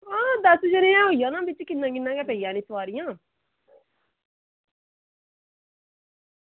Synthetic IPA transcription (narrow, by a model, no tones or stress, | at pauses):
ãːd̪əsd͡ʒəɾẽːãːɦoijãːnãːbɪt͡ʃkɪnːãːk̬ɪnːãːkɛːpɛijãːnĩːsʋaːɾɪjãː